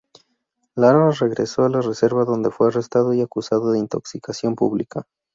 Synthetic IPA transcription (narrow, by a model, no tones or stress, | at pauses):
laɾβare̞ɣɾe̞so̞alare̞se̞ɾβaðo̞nd̪e̞fwe̞are̞st̪aðoiakusaðoðe̞int̪o̞ksikasjo̞mpṵβlika